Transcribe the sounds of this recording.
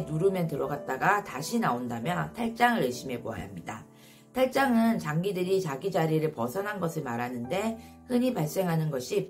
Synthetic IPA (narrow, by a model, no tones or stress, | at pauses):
nuɾumjʌntɯɾʌɡat̚t͈aɡataɕʰinaondamjʌtʰaɭt͡ɕ͈aŋɯɾweɕʰime̞poa̰jɦa̰mɲida | tʰaɭt͡ɕ͈aŋɯnt͡ɕaŋɡidɯɾit͡ɕaɡid͡ʑaɾiɾɯɭpʌsʰʌnɦanɡʌsʰɯɭmaɾɦanɯnde̞ | hɯɲipaɭs͈e̞ŋɦanɯnɡʌɕʰi